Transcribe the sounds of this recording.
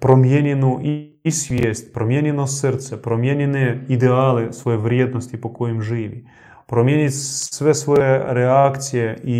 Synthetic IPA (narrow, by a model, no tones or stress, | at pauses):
pɾɔmʲjenʲɪnuʔi | sʲʋʲesʲtʲpɾɔmʲjenʲɪnɔsɛrt̪sɛpɾɔmʲjenʲɪnɨid̪ɛalˠɪsʋɔjɛʋɾʲed̪̚nɔsʲtʲipɔkɔjimʐɪʋʲi | pɾɔmʲjenʲɪtʲsʋɛsʋɔjɛɾɛakt͡sʲijɛi